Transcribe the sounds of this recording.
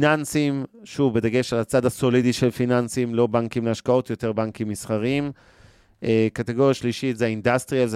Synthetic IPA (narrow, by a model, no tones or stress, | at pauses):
nansimʃuvbed̪aɡe̞ʃalat͡sadhaso̞lidiʃelfinansimlo̞baŋkimleaʃkao̞tjo̞te̞ʁbaŋkimːisχaʁim | ʔekateɡo̞ʁjaʃliʃitzeaindast̪ʁiaz